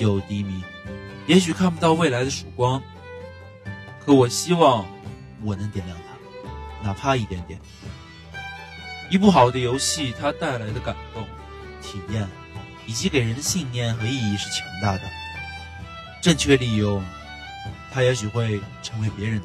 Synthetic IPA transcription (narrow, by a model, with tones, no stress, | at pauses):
jo˨˧˩ʊt̪i˧˥mi˧˥ | jɛ˧˥ɕ̬y˨˩kʰa˥˩npu˧˥t̪ɑ˥˧ʊwe˥˩ɪla˧˥ɪd̪ə˧ʂu˨˩kwɑ˥ŋ | kʰɤ˧˥wɔ˨˩ɕi˥wɑ˥˩ŋ | wɔ˨˩nɤ˧˥ŋt̪jɛ˨˩nljɑ˥˩ŋt̪ʰa˥na˨˩pʰa˥˧i˥˩t̪jɛ˧˥nt̪jɛ̰˨˩˦n | i˧˥p̬u˥˩xɑ˨˩ʊd̪ə˦jo˧˥ʊɕi˥˩t̪ʰa˥t̪a˥˩ɪla˧˥ɪd̪ə˧ka˨˩nt̪o˥˩ŋ | t̪ʰi˨˩jɛ˥˩n | i˨˩t͡ɕi˧˥ke˨˩ɪɻə˧˥nd̪ə˧ɕi˥˧ŋnjɛ˥˩nxɤ˧˥i˥˧i˥˧ʂɻ̩˥˩t͡ɕʰjɑ˧˥ŋt̪a˥˩d̪ə˩ | ʈ͡ʂɤ˥˧ŋt͡ɕʰɥɛ˥˧li˥˧jʊ˥˩ŋ | t̪ʰa˥jɛ˧˥ɕ̬y˨˩xwe˥˩ɪʈ͡ʂʰɤ˧˥ŋwe˧˥ɪpjɛ˧˥ɻə˧˥n